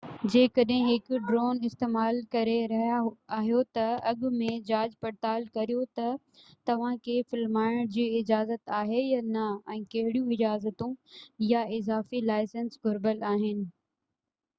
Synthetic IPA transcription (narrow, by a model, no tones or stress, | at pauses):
d͡ʑeːkɐɗɦɪ̃ɦɪkɖɾoːnɪst̪eːmaːlkɐɾeɾɐɦaːɦijot̪ɐɐɠʊmẽd͡ʑaːd͡ʑpɐɾt̪aːlkɐɾijot̪ɐ | t̪ɐʋ̤ãkʰefɪlmaːɪɽ̃d͡ʑiːɪd͡ʑaːzət̪aːɦejanɐɛ̃ːkɐɦɪɽijũɪd͡ʑaːzət̪ũjaɪzaːfilaːɪsənsɡʱʊɾbəlaːɦɪnɪ̆